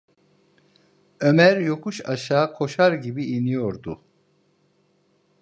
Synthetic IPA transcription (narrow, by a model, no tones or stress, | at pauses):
ømæɾjo̞kʰuʃaʃaːkʰo̞ʃaɾɟibiinijo̞ɾd̪u